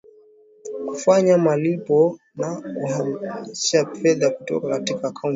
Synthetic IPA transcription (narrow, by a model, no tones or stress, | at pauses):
ku̥faɲamalipɔ | nakuhamiʃafɛðaku̥tɔ̰kakatikaːkʰaun